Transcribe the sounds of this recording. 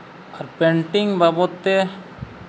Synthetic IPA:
ɔɾpẽɳʈɪŋɡbabot̪ːe

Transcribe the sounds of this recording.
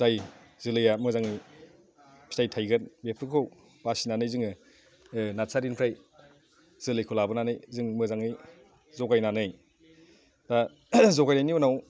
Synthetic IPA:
zaj | zɯlɯjamɯzaŋɯj | pʰi̥tʰajtʰajɡɯtbepʰɯkʰow | pasinanɯjzɯŋɯ | nasʰaɾinkʰɾaj | z̥ɯlɯjkʰulabɯnanɯjzɯŋmɯzaŋɯj | zɔkajnanɯj | da | zɔkajnajniɔnaw

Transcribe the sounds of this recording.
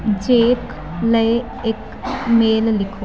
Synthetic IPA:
d͡ʒeːk | lɐj | ek | meːllikʰo

